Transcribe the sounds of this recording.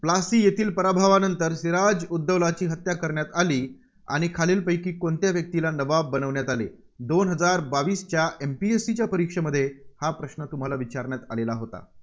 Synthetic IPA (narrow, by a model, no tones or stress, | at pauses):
plasiːjet̪ʰiːlpəɾabʱaʋanənt̪əɾsiɾad͡zud̪ːəʋlat͡ɕiːɦət̪jakəɾɳjat̪aliː | a̰ɽ̃ikʰaliːlpəjkiːkont̪jaʋjək̚t̪ilanəbabːənəʋɳjat̪alḛ | d̪onɦəd͡zaɾbaʋiːst͡ɕjaempiesit͡ɕjapəɾikʂəməd̪ʱːjehapɾəɕɳət̪um̤alaʋit͡ɕaɾɳjat̪alelaɦot̪a̰